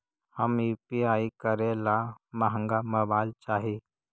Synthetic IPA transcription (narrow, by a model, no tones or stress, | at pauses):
həmipiaikəɾelaməɦəŋɡaməbajlt͡ʃaɦi